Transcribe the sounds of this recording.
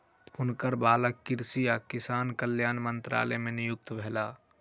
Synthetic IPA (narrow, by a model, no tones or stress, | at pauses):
ʊnkəɾbaːləkːɪɾsijakɪsaːnkəljaːnmə̃nt̪ɾa̰ːlɛmẽnɪjʊk̚t̪bʱɛːlaː